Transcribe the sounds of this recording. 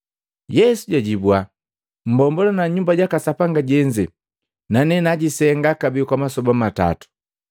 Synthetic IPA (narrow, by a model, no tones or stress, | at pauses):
jɛsuɟaɟibwa | m̩bɔmbɔlanaɲumbaɟakasapaŋɡaɟɛɲd͡ʒɛ | nanɛnaɟisɛŋɡakabikwamasɔbamata̰tu̥